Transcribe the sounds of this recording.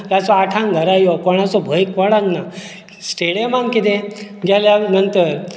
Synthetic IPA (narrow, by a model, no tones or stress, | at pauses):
jat͡sɔaʈʰãŋɡʱəɾajɔkɔɽ̃at͡sɔbʱəjkʋəɽaɡna | sʈeɽijemaŋkit̪ẽɡʱjaljanənt̪əɾ